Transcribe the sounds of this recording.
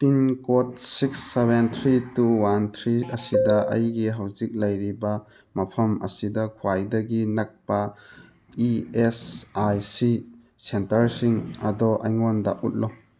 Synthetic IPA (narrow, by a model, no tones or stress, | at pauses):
pinkot̚siksːebent̪ʰɾituwant̪ʰɾiɐsidɐʔɐ̰jɡiɦɐwzik̚lɐjɾibɐ | mɐpʰɐmɐ̰sidɐkʰuwajdɐɡinɐk̚pɐ | iesajsi | sentɐɾsiŋɐ̰dɔʔɐ̰jŋɔndɐ̰ut̚lɔ